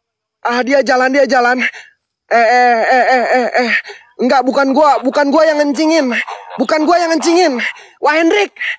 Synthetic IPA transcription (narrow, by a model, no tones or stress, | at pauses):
ahdiad͡ʒalandiad͡ʒalan | ɛɛɛɛɛɛ | ŋɡaʔbukanɡuabukanɡuajaŋəɲt͡ʃiŋɪnbukanɡuajaŋəɲt͡ʃiŋɪnwʔaɦɛnɾɪk̚